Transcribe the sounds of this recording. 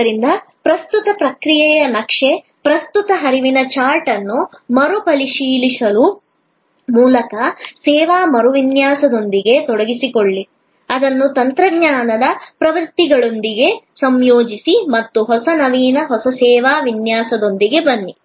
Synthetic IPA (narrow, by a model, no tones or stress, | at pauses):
ɐɾind̪ɐ | pɾɐst̪ut̪ɐpɾɐkɾijɛjɐnɐkʂe | pɾɐst̪ut̪ɐɦɐɾiʋinɐt͡ʃaːɾʈɐnːumɐɾupɐliʃiːlisɐlu | muːlɐkɐsɛːʋaːmɐɾuʋinjaːsɐd̪o̞nd̪iɡe̞t̪ɔɽɐɡisikoɭːi | ɐd̪ɐnːut̪ɐnt̪ɾɐɡɲaːnɐd̪ɐpɾɐʋɐɾt̪iɡɐɭond̪iɡe̞sɐmjoːd͡ʒisimɐt̪ːuɦɔsɐnɐʋiːnɐɦɔsɐsɛːʋaːʋinjaːsɐd̪o̞nd̪iɡe̞bɐnːi